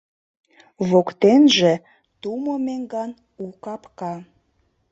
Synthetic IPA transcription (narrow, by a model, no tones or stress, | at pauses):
βokt̪enʒe | t̪umomeŋɡɑn | ukɑpkɑ